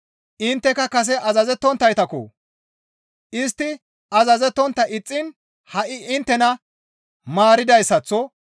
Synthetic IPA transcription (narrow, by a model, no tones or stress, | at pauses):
ʔɪnt̪ːɛkɐkɐs̬ɛʔɐzɐzɛt̪ːɔnt̪ːɐjt̪ɐkɔ̰ | ʔɪst̪ːɪ | ɐzɐzɛt̪ːɔnt̪ːɐʔɪt͡sʼːɪn | hɐʔɪʔɪnt̪ːɛnɐ | maːɾɪd̪ɐjsːɐt͡sːɔ